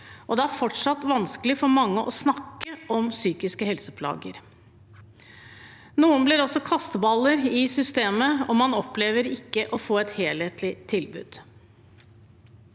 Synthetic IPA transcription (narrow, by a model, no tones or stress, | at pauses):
ʔɔd̪ɛæɾfɔʈʂɑt̪ːʋɑnskəlɪfɔɾmɑŋːəʔɔsnɑkːəʔɔmsyːkɪskəhɛlsəpʰlɑ̰ːɡə̰ɾ | nuːənblɪɾɔsɔkʰɑst̪əbɑlːəɾɪsʏst̪eːməɔmɑnɔpleːʋəɾɪkːəʔɔfoːɛt̪heːleːt̪lɪt̪ʰɪlbʉ̰ːd̪̥